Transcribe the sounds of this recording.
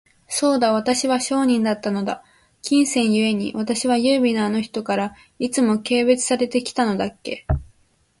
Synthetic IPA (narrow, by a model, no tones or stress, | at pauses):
so̞ːd̪aβ̞at̪aɕiβaɕo̞ːɲ̟ĩnd̪at̪ːano̞d̪a | kʲĩɰ̃sẽ̞ɰ̃jɯ̟e̞ɲ̟ḭβat̪aɕiβajɯːbʲinoano̞çi̥t̪o̞kaɾa | it͡sɨmo̞ke̞ːβe̞t͡sɨ̥saɾe̞t̪e̞kʲi̥t̪ano̞d̪akːe̞̰